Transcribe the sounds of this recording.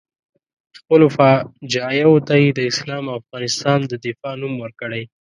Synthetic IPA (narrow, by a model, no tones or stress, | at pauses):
xpəlofɑd͡ʒɑjawot̪ajed̪əɪslɑmaafɣɑnɪst̪ɑnd̪əd̪ɪfɑnumwəɾkəɽaj